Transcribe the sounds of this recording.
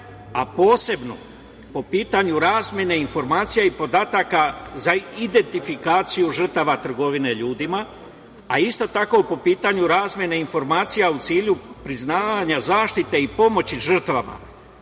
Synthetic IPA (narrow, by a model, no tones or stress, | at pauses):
a̰po̞ːse̞bno̰ | po̞piːt̪aɲuɾaːzmʲje̞ne̞info̞ɾmaːt̪sijaipo̞d̪aːt̪akazaid̪e̞nt̪ifikaːt̪sijuʒr̩t̪aʋat̪r̩ɡo̞ʋine̞ʎuːd̪ima | aist̪o̞t̪ako̞po̞piːt̪aɲuɾaːzmje̞neinfo̞ɾmaːt̪sijaut̪siːʎupɾiznaːʋaɲazaːʃt̪it̪e̞ipo̞mo̞t͡ɕiʒr̩t̪ʋama̰